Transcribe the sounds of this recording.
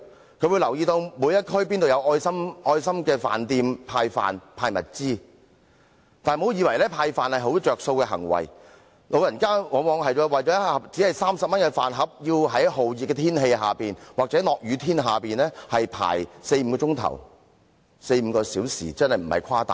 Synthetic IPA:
kʰɵ˧ɥwu˨˧jlɐ˨˩wjiː˧t̪o˧wmuː˨˧jɐ˥t̚kʰɵ˥ɥpiː˥nt̪o˨wjɐ˨˧wʔɔː˧jsɐ˥mʔɔː˧jsɐ˥mkɛː˧fa̰ː˨˩nt̪iː˧mpʰaː˧jfa̰ː˨npʰaː˧jmɐ˨t̚t͡siː˥ | t̪aː˨nmo˨˧wjiː˨˧wɐ˨˩jlɛː˥pʰaː˧jfaː˨nhɐ˨jɦo˨˥wt͡ʃœː˨k̚so˧wkɛː˧ɦɐ̰˨˩ŋwɐ̰˨˩j | mo˨wjɐ˨˩nkaː˥mɔː˨˥ŋmɔː˨˧ŋɦɐ˨jɔː˨˧˥wɐ˨jt͡sɔː˨˥˨t͡siː˨˥hɐ˨jsaː˥msɐ˨p̚mɐ˥nkɛ˧fa̰ː˨nɦɐ˨p̚ji˧wɦɐ˨˥jɦo˨wjiː˨t̚kːɛ˧t̪ʰiː˥nɦe˧jɦa̰ː˨piː˨nwaː˨k̚t͡sɛː˨˥lɔː˨k̚jyː˨˧t̪ʰiː˥nɦaː˨piː˨nlɛː˥hɐ˨jpʰa̰ː˨˩jse˧jm̩˨˧˥kɔː˧t͡ʃʊ˥ŋt̪ʰɐ̰˨˩w | se˧jm̩˨˧kɔː˧siː˨˥wsḭː˨˩t͡sɐ˥nhɐ˨jm̩˨˩hɐ̰˨jkʰaː˥t̪a̰ː˨˩

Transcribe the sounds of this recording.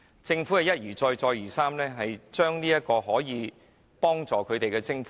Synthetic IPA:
t͡sɪ˧ŋfuː˨˥kɛ˨˧jɐ˥t̚jyː˨˩t͡ʃɔː˧jt͡sɔː˧jjyː˨˩saː˥mlɛː˥ɦɐ˨jt͡ʃœː˥ŋniː˥jɐ˥t̚kɔː˧ɦɔː˨˥jiː˨˧ | pɔː˥ŋt͡sɔː˨kʰɵ˨˧ɥt̪e˨jkɛː˧t͡sɪ˥ŋfuː˨˦

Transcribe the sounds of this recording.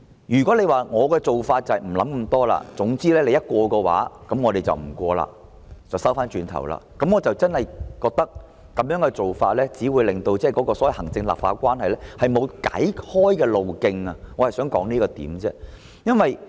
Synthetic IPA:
jyː˨kɔ˨˥le˨˧jwaː˨ŋɔː˨˧kɛː˧t͡so˨wfaː˧t̚t͡sɐ˨jm̩˨˩lɐ˨˥mkɐ˧˥mt̪ɔː˥la̰ː˧t͡sʊ˨˥ŋt͡siː˥lɛː˥le˨˧jɐ˥t̚kʷɔː˧kɛː˧wa̰ː˨˥kɐ˨˦˥mŋɔː˧ɾe˨jt͡sɐ̰˨wm̩˨˩kʷɔː˧la̰ː˨ | t͡sɐ˨wsɐ˥wfaː˥nt͡ʃyː˧nt̪ʰɐ̰˨˩wla̰ː˨kɐ˨˧˥mŋɔː˨˧t͡sɐ˨wt͡sɐ˥nhɐ˨jkɔː˧k̚t̪ɐ˥k̚ | kɐ˨˧mjœː˨˥ŋkɛ˧t͡so˨wfaː˧t̚lɛː˥t͡siː˨˥wuː˨˧jlɪ˨ŋt̪o˧wt͡sɛː˥˩kɔ˨˧˥kɔː˧sɔː˨˥wɐ˨jhɐ˨˩ŋt͡sɪ˧ŋla̰ː˨p̚faː˧˥kʷwaː˥nɦɐ˨jlɛ˥hɐ˨jmo˨˧wka̰˨˥jhɔː˥jkɛː˧lo˨wkɪ˧ŋɐ˧ŋɔː˨˧hɐ˨˩jsœː˨˥ŋkɔ̰ː˨˥ŋniː˥kɔː˧t̪ḭː˨˥mt͡sɛ̰˥ | jɐ˥nwɐ˨j

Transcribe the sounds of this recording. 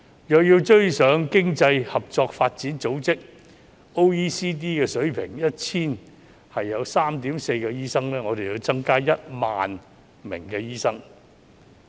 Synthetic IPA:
jœː˨k̚jiː˧wt͡ʃɵ˥ɥsœː˨˧ŋkɪ˥ŋt͡sɐ˧jhɐ˨p̚t͡sɔː˧k̚faː˧t̚t͡siː˨˥nt͡so˨˥wt͡sɪ˥k̚ | o˥wiː˥siː˥t̪̬iː˥kɛː˧sɵ˨˥ɥpʰɪ˨˩ŋjɐ˥t̚t͡sʰiː˥n | hɐ˨jːɐ˨˧wsaː˥mt̪iː˨˥mse˧jkɛː˧jiː˥sɐ˥ŋlɛː˥ŋɔː˨˧ɾe˨jiː˧wt͡sɐ˥ŋkaː˥jɐ˥t̚ma̰ː˨n | mɪ̰˨˩ŋkɛː˧jiː˥sɐ˥ŋ

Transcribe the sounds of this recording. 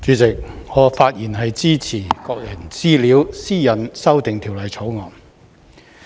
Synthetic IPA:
t͡syː˨˥t͡sɪ˨k̚ŋɔː˨˧˥faː˧t̚jiː˨˩nɦɐ˨jt͡siː˥t͡sʰiː˨˩kɔː˧k̚jɐ˨˩nt͡siː˥liː˨˥wsiː˥jɐ˨nsɐ˥wt̪ɪ˨ŋt̪ʰiː˨˩wlɐ˨jt͡sʰo˨˥wŋɔː˨˩n

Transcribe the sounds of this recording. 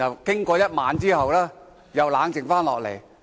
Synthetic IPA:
ɐ˨˩wkɪ˥ŋkɔː˧jɐ˥t̚maː˨˥nt͡siː˥hɐ˨wlaː˥ | jɐ˨wlaː˨˥ŋt͡sɪ˨˩ŋfaː˥nlɔː˨k̚lḛ˨˩j

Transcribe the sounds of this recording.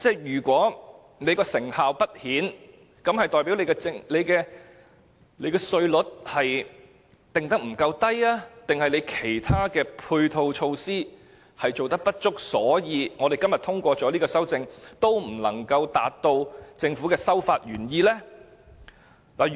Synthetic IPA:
t͡sɛː˥˩jyː˨˩kʷɔː˨˥ | ne˨˧jkɔː˧sɪ˨˩ŋhaː˨wpɐ˥t̚hiː˨˥n | kɐ˨˥mhɐ˨jt̪ɔː˨jpi˨˥wle˨˧jkɛ˧t͡sɪ˧ŋle˨˧jkɛː˧ | le˨˧jkɛː˧sɵ˧ɥlʊ˨˥t̚hɐ˨j | t̪ɪ˨ŋt̪ɐ˥k̚m̩˨˩kɐ˧wt̪ɐ˥jaː˥t̪ɪ˨ŋhɐ˨jle˨˧jkʰe˨˩jt̪ʰaː˥kɛː˧pʰuː˧jt̪ʰo˧wt͡ʃʰo˧wsiː˥ | hɐ˨jt͡so˨wt̪ɐ˥k̚pɐ˥t̚t͡ʃʊ˥k̚sɔ̰ː˨˥jiː˨˧ŋɔː˨˧d̪e˨jkɐ˥mjɐ˨t̪ʰʊ˥ŋkʷɔː˧t͡sɔː˨˥liː˥kɔː˧sɐ˥wt͡sɪ˧ŋt̪o˥wm̩˨˩lɐ̰˨˩ŋkɐ˧wt̪aː˨t̚t̪o˧wt͡sɪ˧ŋfuː˨˥kɛː˧sɐ˥wfaː˧t̚ɥyː˨˩njiː˧lɛː˥ | laː˨˩

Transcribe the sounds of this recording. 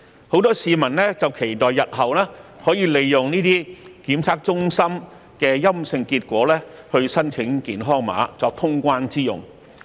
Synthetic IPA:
ho˨˥wt̪ɔː˥siː˨˧mɐ˨˩nlɛː˥t͡sɐ˨wkʰe˨˩jt̪ɔː˨jːɐ˨t̚ɦɐ˨wlɛː˥hɔː˨˥jiː˨˧le˨˧jːʊ˨˩ŋniː˥t̪iː˥kiː˨˥mt͡sʰaː˥k̚t͡sʊ˥ŋsɐ˥m | kɛː˧jɐ˥msɪ˧ŋkiː˧t̚kʷɔː˨˥lɛː˥hɵ˧ɥsɐ˥nt͡sʰɪ˨˥ŋkiː˨˧nɦɔː˥ŋma̰ː˨˥t͡sɔː˧k̚t̪ʰʊ˥ŋkʷaː˥nt͡siː˥jʊ̰˨ŋ

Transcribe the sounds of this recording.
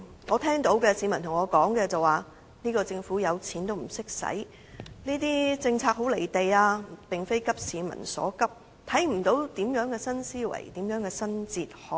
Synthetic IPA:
ŋɔː˨˧t̪ʰɛː˥ŋt̪o˨˥wkɛː˧siː˨˧mɐ˨˩nt̪ʰʊ˨˩ŋɔː˨˧kɔː˨˥ŋkɛː˧t͡sɐ˨waː˨˩ | niː˥kɔː˧t͡sɪ˧ŋfuː˨˥jɐ˨˧wt͡sʰiː˨˥nt̪o˥wm̩˨˩sɪ˥k̚sɐ̰˨˥j | niː˥t̪̬iː˥t͡sɪ˧ŋt͡sʰaː˧k̚ɦo˨˥wle˨˩jt̪e˨jaː˧pɪ˨ŋfe˥jkɐ˥p̚siː˨˧mɐ̰˨˩nsɔ̰ː˨˥kɐ˥p̚ | t̪ʰɐ˨˥jm̩˨˩t̪o˨˥wt̪iː˨˥mjœː˨˥ŋkɛː˧sɐ˥nsiː˥wɐ̰˨˩jt̪iː˨˥mjœː˨˥ŋkɛː˧sɐ˥nt͡siː˨t̚hɔː˨˥

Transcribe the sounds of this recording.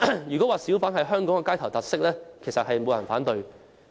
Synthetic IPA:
jyː˨˩kɔ˨˥waː˨siː˨˥wfaː˨˥nhɐ˨jɦœː˥ŋkɔ˨˥ŋɛ˧kaː˥jt̪ʰɐ˨˩wt̪aː˨˩t̚sɪ˥k̚lɛː˥kʰe˨˩jsɐ˨t̚hɐ˨jmo˨˧wjɐ˨˩nfaː˨˥nt̪ɵ˨ɥ

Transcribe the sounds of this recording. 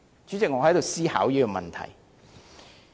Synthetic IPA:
t͡ʃyː˨˥t͡sɪ˨k̚ŋɔː˨˧hɐ˨˥jt̪o˨wsiː˥ha̰ː˨˥wjiː˥kɔ˧mɐ˨nt̪ʰɐ̰˨˩j

